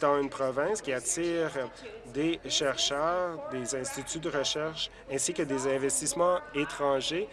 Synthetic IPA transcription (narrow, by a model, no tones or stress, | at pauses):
t̪ɑ̃ynpχɔvɛ̃skʲiat̪iːʁd̪eʃɛʁʃœːʁd̪ezɛ̃st̪it̪yd̪əʁəʃɛʁʃ | ɛ̃sikəd̪ezɛ̃vɛst̪ismɑ̃et̪χɑ̃ʒe